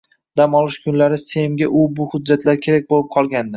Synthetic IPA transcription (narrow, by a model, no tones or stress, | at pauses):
d̪̥amɒlˠɪʃkʰʊnlaɾɪsemɡʲaʔʊbʊhʊd͡ʒːat̪ʰlaɾkʲʰe̞ɾak̚ʲbolˠɪp̚qʰɒlˠɡʲand̪ɪ